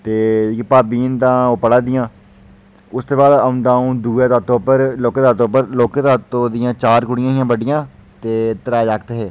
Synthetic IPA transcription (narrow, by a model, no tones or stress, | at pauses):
t̪eːpaːbiːnt̪ãːoːpəɽãːd̪ɪjãː | ʊst̪oːbaːd̪əʊ̃nd̪aːũːd̪uːeːd̪aːt̪õːpəɾloːkeːd̪aːt̪oːpəɾloːkeːd̪aːt̪õːd̪ɪjãːt͡ʃaːɾkʊɽɪjãːɦɪjãːbəɖɪjãː | t̪eːt̪əɾaːd͡ʒaːk̚t̪ːɦeː